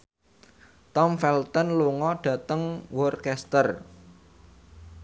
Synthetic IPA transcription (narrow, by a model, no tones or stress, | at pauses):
t̪ɔmfɛlt̪ɔnluŋɔɖ̥ä̤t̪əŋwɔrkɛst̪ər